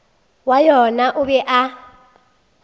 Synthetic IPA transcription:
wajɔnaʔʊbɛʔa

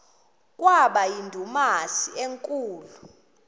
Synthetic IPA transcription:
k̬ʼwaɓajindʱumasieŋkʼuːlu

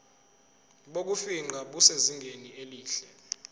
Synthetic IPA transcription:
ɓok̬ufiŋ͡ǃaɓuseziŋɡʱenieliːɬɛ

